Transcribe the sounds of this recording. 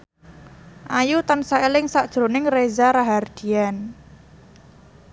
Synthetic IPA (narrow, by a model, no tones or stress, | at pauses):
ʔajut̪ansaelɪŋsaʔd̥ʒ̥ɾonɪŋrezaɾaɦard̪̥i̤an